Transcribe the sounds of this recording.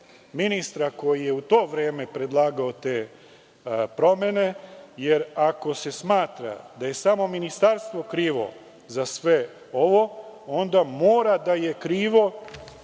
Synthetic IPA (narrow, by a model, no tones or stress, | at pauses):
minist̪ɾako̞jije̞ut̪o̞ːʋɾeːme̞pɾe̞d̪laːɡaot̪eː | pɾo̞me̞ne̞je̞ɾako̞se̞smaːt̪ɾa̰d̪aje̞samo̞minist̪aɾst̪ʋo̞kɾiːʋo̞̰ | zasʋe̞ | o̞ʋo̞o̞nd̪amo̞ːɾad̪aje̞kɾiːʋo̞